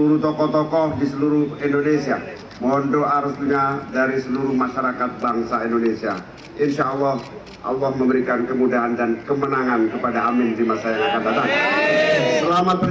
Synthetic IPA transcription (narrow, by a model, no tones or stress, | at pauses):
uɾut̪ɔkɔht̪ɔkɔhdisəluɾʊhindonesia | mɔndoaɾustuɲadaɾisəluɾʊhmaʃaɾakat̪̚baŋsaindonesia | ʔɪnʃalːɔh | ʔa̰lːɔhməmbəɾikankəmudaɦandankəmənaŋankəpadaːmɪnt̪ɾimasajaŋakanbat̪aŋ | səlamat̪̚pə